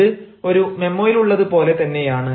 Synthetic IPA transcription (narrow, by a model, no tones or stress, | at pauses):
ɨ | o̞ɾume̞mːoːjiluɭːɐðɨpo̞ːle̞t̪ɐnːe̞jaːɳɨ